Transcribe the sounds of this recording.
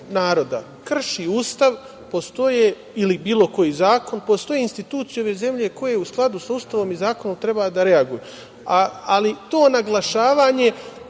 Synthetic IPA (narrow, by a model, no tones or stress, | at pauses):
naːɾo̞d̪a̰ | kr̩ʃiuːst̪aʋ | po̞st̪o̞je | ilibiːlˠo̞ko̞jiːzaːko̞npo̞st̪o̞jeinst̪it̪uːt̪sjeo̞ʋe̞ze̞mʎe̞ko̞jeusklˠad̪usauːst̪aʋo̞mizaːko̞no̞mt̪ɾe̞bad̪aɾe̞aɡuju | aalit̪o̞ːnaɡlˠaʃaːʋaːɲe̞